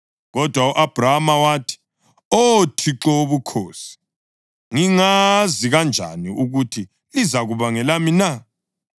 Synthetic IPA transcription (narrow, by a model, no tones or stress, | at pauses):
ɣɔd̥ʱwauʔab̥rahamawaːtʰi̥ | otʰiǁɔoβukʰoːsi̥ | ŋiŋaziɣand͡ʒʱa̰niʔuɣutʰi | izaɣuβaŋɛlamina